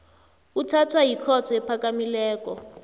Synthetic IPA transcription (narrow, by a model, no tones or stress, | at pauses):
utʰatʰwajikʰɔtʰɔɛpʰakamilɛːkʼɔ̰